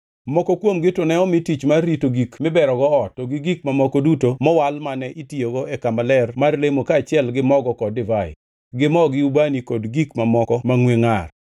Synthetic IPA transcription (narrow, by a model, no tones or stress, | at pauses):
mɔkɔkwomɡɪtʊnɛɔmɪtit͡ʃmarːitoɡikmɪbɛɾɔɡɔɔtːoɡɪɡik̚mamɔkɔdutomɔwalmanɛʔitioɡɔɛkamalɛrmarlemokat͡ʃɪɛlɡɪmɔɡɔkɔdɪvaɪ̰ | ɡɪmɔɡɪubanikodɡikmamɔkɔmaŋweŋar